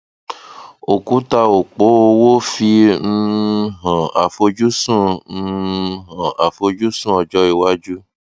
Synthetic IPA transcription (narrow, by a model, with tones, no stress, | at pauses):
o˨kũ˨˦ta˧o˨k͡po˨˦o˧wo˦fi˧n̩˧ɦã˨a˨fo˧d͡ʒu˦sũ˦˧ | ɦã˨a˨fo˧d͡ʒu˦sũ˦˨ɔ˨d͡ʒɔ˦i˧˨wa˦d͡ʒu˦